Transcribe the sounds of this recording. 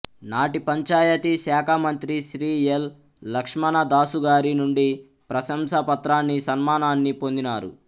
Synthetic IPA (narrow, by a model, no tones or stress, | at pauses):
naːʈipɐɲt͡ʃaːjɐt̪isɛːkʰamɐnt̪ɾiʃɾiːelː | ɐkʂmɐnɐd̪aːsuɡaːɾinuɳɖi | pɾɐʃɐmsɐpɐt̪ɾaːnːisɐnmaːnaːnːipo̞nd̪inaːɾṵ